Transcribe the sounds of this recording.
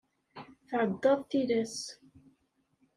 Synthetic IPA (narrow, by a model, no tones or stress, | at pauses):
θʕəd̪ːɑðˤθilæs